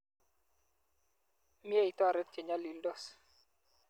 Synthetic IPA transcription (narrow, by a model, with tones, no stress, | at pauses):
mje˦i˨tɔ˦a˨ɾɛ˦t̚t͡ʃe˨ɲa˦li˨ldɔ˦˨s